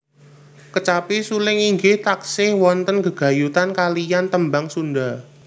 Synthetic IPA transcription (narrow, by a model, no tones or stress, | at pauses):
kət͡ʃapisulɪŋiŋɡɪt̪aksɪhwɔnt̪ənɡə̤ɡ̥a̤jut̪ankalijant̪əmbaŋsunda